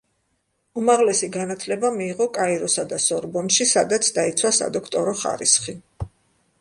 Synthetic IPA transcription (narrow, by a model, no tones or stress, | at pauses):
umaʁlɛsiɡanat̪ʰlɛbamiːʁɔkʼaiɾɔsad̪asɔɾbɔnʃisad̪at̪sʰd̪ait̪sʰwasa̰d̪ɔkʰt̪ʼɔɾɔχa̰ɾisχi